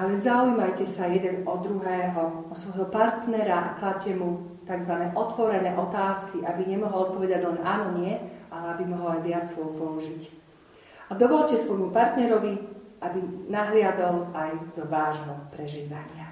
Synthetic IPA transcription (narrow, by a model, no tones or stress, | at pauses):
ʔalɛzaujmajcɛsajɛd̪ɛnɔd̪ɾuɦɛːɦɔɔsʋɔjɦɔpaɾt̪nɛɾaʔaklad̪̚cɛmu | t̪aɡzʋanɛːʔɔt̪ʋɔɾɛnɛːʔɔt̪aːskiʔabiɲɛmɔɦɔlɔt̪̚pɔʋɛd̪aɟlɛnʔaːnɔɲɪɛalɛabimɔɦɔlajʋɪat͡sːʋɔpɔuʒic | ad̪ɔʋɔʎcɛsʋɔjmupaɾt̪nɛɾɔʋi | ʔabinaɦlɪad̪ɔlajd̪ɔʋaːʒɦɔpɾɛʒiːʋaɲɪa